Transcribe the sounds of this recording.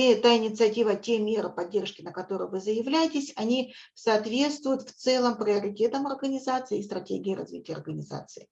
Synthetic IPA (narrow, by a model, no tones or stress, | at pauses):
et̪aɪnʲɪt̪sɨɐtʲivətʲemʲe̞ɾɨpɐdʲːe̞rʂkʲɪnəkɐt̪o̞ɾɨ̰jvɨzəjɪvlʲæjɪtʲɪsʲɐnʲisɐːt̪vʲe̞t̪st̪vʊjʊt̪ft̪sɛlˠəmpɾʲɪɐɾʲɪtʲe̞t̪əmɐrɡənʲɪzat̪sɨɪːst̪ɾɐtʲeɡʲɪːɾɐ̰zvʲḭtʲɪjəɐ̰rɡənʲɪza̰t̪sɨɪ